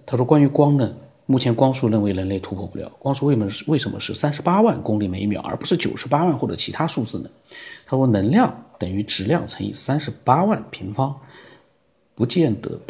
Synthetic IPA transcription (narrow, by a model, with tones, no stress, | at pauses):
t̪ʰa˥˧ʂwɔ˥kwa˥ny˧˥kwɑ˥ŋnə˨ | mu˥˩t͡ɕʰjɛ˧˥nkwɑ˥ŋʂu˥˧ɻə˥˩nwe˥˩ɪɻə˧˥nle˥˩ɪt̪ʰu˧˥pʰwɔ˥˧pu˥˩jɑ̰˨˧˩ʊkwɑ˥ŋʂu˥˧we˥˩ɪmə˧˩˥we˥˩ʂə˧˥nmə̰˧ʂɻ̩˥˩sa˥nʂɻ̩˧˥pa˥wa˥˩nkʊ˥ŋli˥˩me˧˥ɪmjɑ̰˨˩˥ʊʔə̰˞˧˥pu˧˥ʂɻ̩˥˩t͡ɕjo˨˩ʊʂɻ̩˧˥pa˥wa˥˧nxwʈ͡ʂə̰˧˩˦t͡ɕʰi˧˥t̪ʰa˥ʂu˥˧t͡sɹ̩˥˩nə˩t̪ʰa˥ʂwɔ˥nə˧˥ŋljɑ˥˩ŋt̪ə˨˩ŋy˧˥ʈ͡ʂɻ̩˧˥ljɑ̰˥˩ŋt͡sʰɤ˧˥ŋḭ˥˩sa˥nʂɻ̩˧˥pa˥wa˥˩npʰi˧˥ŋfɑ˥ŋ | pu˧˥t͡ɕjɛ˥˩nt̪ə̰˧˥